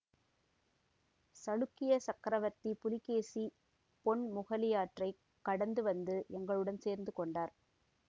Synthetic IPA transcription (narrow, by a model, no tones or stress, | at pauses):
sɐɻɯkːɪjɐsɐkːɾɐʋɐɾt̪ipʊlɪkːeːsi | pɔɳmʊɣɐlɪjaːʈrɐɪ | kːɐɽɐnd̪ɯʋɐnd̪ɯʔɛŋɡɐɭɯɽɐnseːɾnd̪ɯkɔɳɖaːɾ